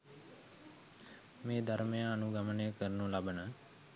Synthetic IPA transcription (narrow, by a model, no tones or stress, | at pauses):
meːd̪ʱaɾmejaːnuɡɐmənəjəkəɾnulabənə